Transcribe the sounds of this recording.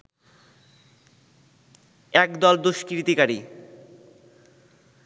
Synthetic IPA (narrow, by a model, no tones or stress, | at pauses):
ɛkd̪ɔld̪uʃkɾit̪ikaɾi